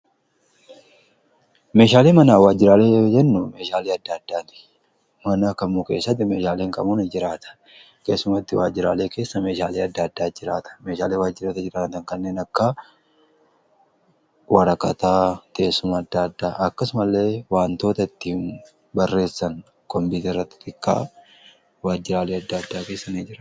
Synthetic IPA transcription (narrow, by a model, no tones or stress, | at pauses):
me̞ːʃaːleːmɐnaːwaːd͡ʒːɪɾaːle̞ːd͡ʒɛnːʊme̞ːʃaːleːɐd̪ːaːd̪ːaːt̪ɪ̥ | mɐnɐkɐmːuːke̞ːsːɐt̪ːɪmeːʃaːleːŋkʼɐ̰muːnɪd͡ʒɪɾaːt̪ɐ̥ | keːsːʊmɐt̪ːɪwaːd͡ʒɪɾa̰ːle̞ːke̞ːsːɐme̞ːʃaːleːɐd̪ːaːd̪ːaːd͡ʒɪɾaːt̪ɐ̥me̞ːʃaːleːwaːd͡ʒːɪɾɐt̪ɛd͡ʒɪɾaːt̪ɐŋkɐnːe̞ːnɐkːɐ | wɐɾɐkʼːɐt̪aːke̞ːsːʊmɐːd̪ːaɐd̪ːaːʔɐkːɐsʊmɐlːe̞ːwaːnt̪o̞ːt̪ɐɪt̪ːiːn | bɐrːe̞ːsːɐŋ | kɔmbiːt̪rːɐt̪ːɪ̥t̪ʼɪkːa̰ː | waːd͡ʒːɪɾaːleːɐd̪ːad̪ːaːke̞ːsːɐnɪd͡ʒɪɾaː